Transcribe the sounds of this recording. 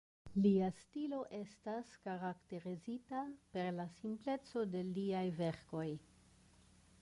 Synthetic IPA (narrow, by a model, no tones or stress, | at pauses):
liastilo̞ʔe̞staskaɾakte̞ɾizitape̞ɾlasimple̞t͡so̞de̞liajve̞ɾko̞j